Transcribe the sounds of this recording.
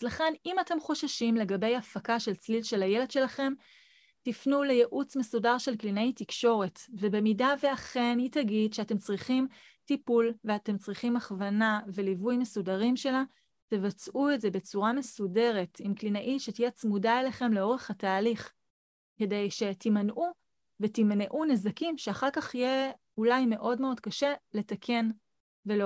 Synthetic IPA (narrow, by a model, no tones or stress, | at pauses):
zlaχe̞nimate̞mχo̞ʃaʃimle̞ɡabe̞jafakaʃe̞lt͡slilʃe̞laje̞led̥̪ʃe̞laχe̞m | tifnulejeʔut͡smesudaʁʃe̞lklinaitikʃo̞ʁe̞tve̞be̞midaveaχenitaɡidʃeate̞mt͡sʁiχim | tipulveate̞mt͡sʁiχimaχvanave̞livujme̞sudaʁimʃe̞la | te̞vat͡sʔuetze̞be̞t͡suʁame̞sude̞ʁe̞timklinaʔiʃetijet͡smudaeleχe̞mle̞o̞ʁe̞χataːliχ | ke̞de̞jʃe̞timanʔu | vetimneʔune̞zakimʃeaχaʁkaχije | ulajme̞ʔo̞dme̞o̞d̚kaʃe̞le̞takʰe̞n | ve̞lo